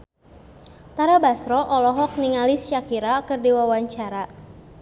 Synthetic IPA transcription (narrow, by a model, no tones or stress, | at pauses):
t̪aɾabasɾɔʔɔlɔɦɔk̚niŋalist͡ʃakiɾakɨrdiwawaɲt͡ʃaɾa